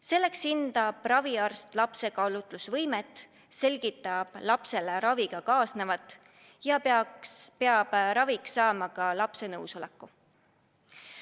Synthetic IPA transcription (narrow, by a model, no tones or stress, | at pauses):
se̞lːe̞ksind̪̥ɑb̥rɑviɑrst̪lɑpse̞kɑlut̪ˑlusvɤjmet̪ːˑ | se̞lʲɡ̥it̪ːˑɑb̥lɑpse̞leɾɑviɡ̥ɑkɑːsne̞vɑt̪ːˑ | jɑ | peɑb̥ɾɑviksɑːmɑkɑlɑpse̞nɤwso̞lḛkːu